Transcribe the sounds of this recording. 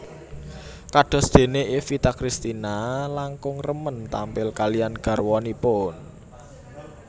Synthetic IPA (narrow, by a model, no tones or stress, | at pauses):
kaɖ̥ɔ̤sd̪̥e̤neʔefit̪akɾist̪inalaŋkʊŋrəmənt̪ampɪlkalijanɡ̥ä̤rwɔnipʊn